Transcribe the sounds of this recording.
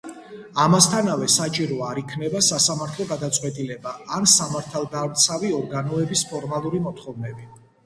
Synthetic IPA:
amast̪ʰanavɛsat͡ʃʼiɾɔaɾikʰnɛbasasamaɾt̪ʰlˠɔɡad̪at̪sʼwɛt̪ʼilɛbaansamaɾt̪ʰalˠd̪avɾt̪sʰaviɔɾɡanɔɛbispʰɔɾmalˠuɾimɔt̪ʰχɔvnɛbi

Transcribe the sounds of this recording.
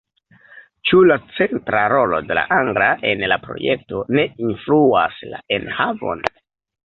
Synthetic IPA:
t͡ʃulat͡se̞ntɾaɾo̞lo̞̰de̞la̰ʔaŋɡɾaʔe̞nlapɾo̞̰je̞k̚to̞ne̞influa̰sla̰enhavo̞̰n

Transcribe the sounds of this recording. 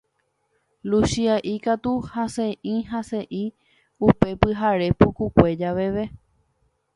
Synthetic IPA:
lusiaʔikat̪uhaseʔĩɦase̞ʔĩ | upe̞pɨɦaɾe̞pukukʷe̞d͡ʒaʋe̞ʋe

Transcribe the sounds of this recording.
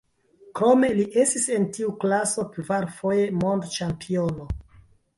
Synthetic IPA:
kɾo̞me̞liʔe̞stise̞ntiuklaso̞kvaɾfo̞je̞mo̞ndt͡ʃampʰio̞no̞

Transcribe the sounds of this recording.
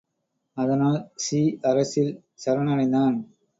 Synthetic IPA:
ɐðɐnaːlsiːɐɾɐsɪl | sɐɾɐɳɐɻɐɪnd̪aːn

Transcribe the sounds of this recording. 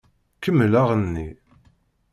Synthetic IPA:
kəmːlaʁənːi

